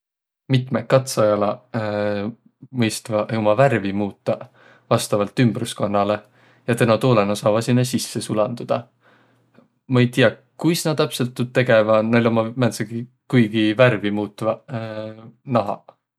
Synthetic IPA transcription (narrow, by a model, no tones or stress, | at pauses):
mit̪mekːɑt̪sɑjɑlɑ | mɤjst̪vɑʔomɑværvimuːt̪ˑːɑ | vɑst̪ɑvɑlt̪ːˑymb̥rusko̞nːɑle̞ | jɑt̪ænɑt̪oːlenɑsɑːvɑsinːesisːesulɑnd̪ud̪̥ɑ | mɑejt̪ijɑ | kujsnɑt̪æpse̞lt̪ːut̪ːe̞ɡ̥e̞vɑnɑlʲomɑmæt̪sɑɡi | kujɡ̥iværvimuːt̪ːˑvɑ | nɑɦɑ̰